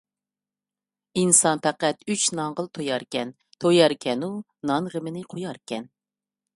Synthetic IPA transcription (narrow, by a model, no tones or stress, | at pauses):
insɑnpʰɛqæt̪yt͡ʃnɑŋʁəlˠt̪ʰojɑɾkʲɛn | t̪ʰojɑɾkʲʰɛnu | nɑnʁəmɪnɪqʰojɑɾkʲɛn